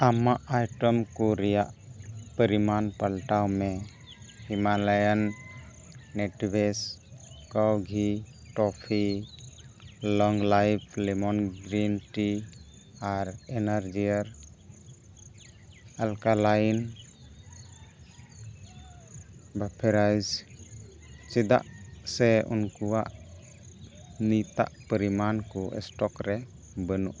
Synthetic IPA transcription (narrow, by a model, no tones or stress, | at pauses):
amaʔajʈɔmkuɾɛjaʔpəɾimanpəɽʈawme | himalajənː | eʈbeskəwɡʱi | ʈɔpʰi | lɔŋɡlajpʰlɛmɔnɡɾinʈi | aɾɛnaɾd͡ʒiaɾ | alkalajn | bapʰeɾajd͡ʒ | t͡ʃid̪a̰ʔsɛṵnkuwaʔ | nit̪a̰ʔpəɾimankuʔɛ̰sʈɔkɾɛ | bənṵʔ